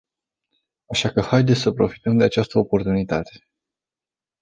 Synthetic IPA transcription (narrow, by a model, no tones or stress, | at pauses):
aʃakəhajd̪esʲsəpɾo̞fi̥t̪əmd̪e̞at͡ʃast̪əo̞po̞rt̪unit̪at̪e̞̥